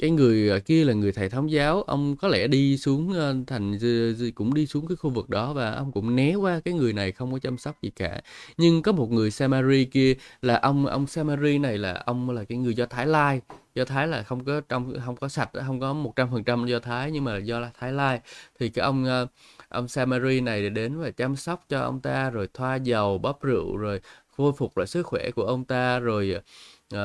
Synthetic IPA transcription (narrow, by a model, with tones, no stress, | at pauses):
kaː˨˦jŋɨ˨˩əjəː˨˩ki˧əlaː˨˩ŋɨ˨˩əjt̪ʰaː˨˩t̪ʰːwŋ͡mzaː˨˦wʔə̰˧wŋ͡mkɔ˨˦lʰɛ˧˩ɗi˧su˨˦əŋʔːt̪ʰa˨˩jŋ̟˧kʊ̰˧˥ŋ͡mɗi˧su˨˦əŋkaː˨˦jxu˧vɨ˨˩k̚ɗɔ˨˦vaː˨˩ʔə̰˧wŋ͡mkʊ̰˧˥ŋ͡mnɛ˨˦kwaː˧kaː˨˦jŋɨ˨˩əjna˨˩jxə˧wŋ͡mkɔ˨˦t͡ɕa˧msk͡p̚zḭ˨˩ka̰ː˧˩ɲɨ˧ŋkɔ˨˦mo˨˩t̚ŋɨ˨˩əjsaː˧maː˧zi˧ki˧əlaː˨˩ʔə˧wŋ͡mʔə̰˧wŋ͡msaː˧maː˧zi˧na˨˩jlaː˨˩ʔə˧wŋ͡mlaː˨˩kaː˨˦jŋɨ˨˩əjzɔ˧t̪ʰaː˨˦jlaː˧jzɔ˧t̪ʰaː˨˦jlaː˨˩xə˧wŋ͡mkɔ˨˦t͡ɕɔ˧wŋ͡mxə˧wŋ͡mkɔ˨˦sa˨˩t̟̚ːɦə˧wŋ͡mkɔ˨˦mo˨˩t̚t͡ɕa˧mfə˨˩nt͡ɕa˧mzɔ˧t̪ʰaː˨˦jɲɨ˧ŋmaː˨˩zɔ˧laː˨˩t̪ʰaː˨˦jlaː˧jt̪ʰi˨˩kaː˨˦jʔə˧wŋ͡mːʔə̰˧wŋ͡msaː˧maː˧zi˧na˨˩ja˨˧˩ɗe˨˦nvaː˨˩t͡ɕaː˧msa˦˥wk͡p̚t͡ɕɔ˧ʔə̰˧wŋ͡mt̪aː˧zo˨˩jt̪ʰwaː˧zə˨˩wɓə˦˥p̚zɨ̰˧˨zo˨˩jvo˧jfʊ˨˩k͡p̚vaː˨˩sɨ˦˥k̚xwɛ̰˧˩ku˧˩əʔə˧wŋ͡mt̪aː˧zo˨˩j